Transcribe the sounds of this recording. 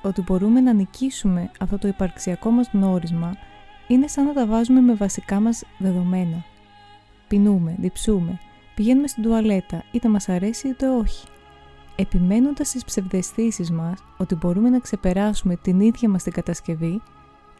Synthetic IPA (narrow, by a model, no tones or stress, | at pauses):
o̞t̪ibo̞ɾumenɐnicisume̞ɐft̪o̞t̪oipɐɾksiɐko̞mɐzno̞ɾizmɐine̞sɐnːɐt̪ɐvɐzume̞me̞vɐsikɐmɐzðe̞ðo̞me̞nɐ | pinume̞ðipsume̞ | piʝe̞nume̞st̪ind̪uɐle̞t̪ɐit̪ɐmɐsɐɾe̞siot̪e̞o̞çi̥ | e̞pime̞no̞nd̪ɐst̪ispse̞vðe̞sθisizmɐs | o̞t̪ibo̞ɾume̞nɐkse̞pe̞ɾɐsume̞t̪iniðʝɐmɐst̪iɡɐt̪ɐsce̞vi